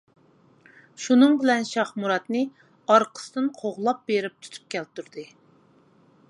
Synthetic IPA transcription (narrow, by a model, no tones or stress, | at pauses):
ʃunɨŋbɪlɛnʃɑχmuɾɑt̪nɨ | ɑɾqʰə̥sɨd̪ɨnqʰoʁlˠɑp̚beɾɪp̚t̪ʰu̥t̪ʰu̥p̚kʲɛlt̪uɾd̪ɨ